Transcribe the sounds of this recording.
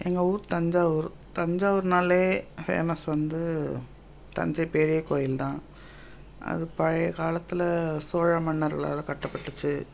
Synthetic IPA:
ɛŋɡɐuːɾt̪ɐɲd͡ʒaːʋɔɾt̪ɐɲd͡ʒaːʋɔɾɯnaːleːfḛːmɐsʋɐnd̪ɯ | t̪ɐ̰ɲd͡ʒɐpɛɾɪjɐkoːjɪlt̪ãː | ʔɐ̰ðɯpɐɻɐjkaːlɐt̪ːɯlɐsoːɻɐmɐɳːɐɾɣɐɭa̰ːlɐ̃kɐʈːɐpːɐʈːɯt͡ʃːɯ

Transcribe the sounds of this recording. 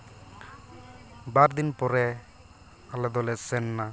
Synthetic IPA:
baɾd̪inpɔɾɛ | alɛd̪ɔlɛsɛnːa

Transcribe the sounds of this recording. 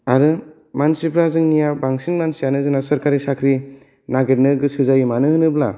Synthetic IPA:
aɾɯ | mansipʰɾazɯŋnijabaŋsinmansijanɯzɯŋnasɐɾkaɾisakʰɾi | naɡeɾnɯɡɯsɯzajɯmanɯhɯnɯbla

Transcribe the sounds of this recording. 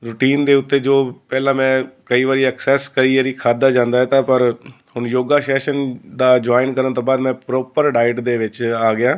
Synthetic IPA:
ɾʊʈiːnd̪eːʊt̪ːeːd͡ʒoːpɛːlãːmɛ̃ːkəiːʋaːɾiːəksɛːskəiːʋəːɾiːkʰaːd̪aːd͡ʒãːnd̪aːɦɛːt̪ãːpəɾ | hʊɳjoːɡaːʃɛːʃənd̪aːd͡ʒaːɪnkəɾənt̪oːbaːd̪mɛ̃ːpɾoːpəɾɖaːɪʈd̪eːʋɪt͡ʃaːɡɪjaː

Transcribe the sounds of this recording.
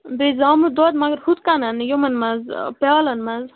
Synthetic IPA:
bezaːmud̪od̪mɐɡɐɾhut̪kanɐnjomɐnmɐzpɛlɐnmɐz

